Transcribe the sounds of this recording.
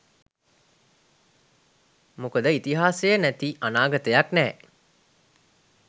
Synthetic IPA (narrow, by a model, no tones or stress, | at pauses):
mokəd̪əit̪iɦaːsejənæt̪iʔanaːɡət̪əjaknɛː